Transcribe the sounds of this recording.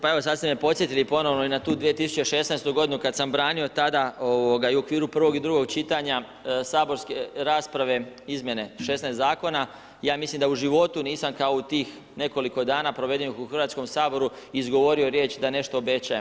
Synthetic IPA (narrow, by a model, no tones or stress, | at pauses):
pae̞ʋosad̪st̪emepo̞t̪sje̞t̪ilipo̞no̞ʋnoinat̪uːd̪ʋije̞t̪isu̥t͡ɕe̞ʃe̞snajst̪uɡo̞d̪inukad̪sambɾaːnio̞t̪ad̪aoʋoɡaiuokʋiːɾupr̩ʋo̞ɡid̪ɾuɡo̞ɡ̚t͡ʃit̪aɲa | saːbo̞ɾskeɾaːspɾaʋe̞izmje̞ne̞ʃe̞snaest̪zaːko̞na | jaːmislimd̪auʒiʋo̞t̪uniːsamkao̞ut̪iːx | ne̞ko̞liko̞d̪aːnapɾo̞ʋe̞d̪enixuxr̩ʋaːt̪sko̞msaːbo̞ɾuiːzɡo̞ʋo̞ɾio̞ɾje̞ːt͡ɕd̪ane̞ʃt̪o̞ːbe̞t͡ɕajem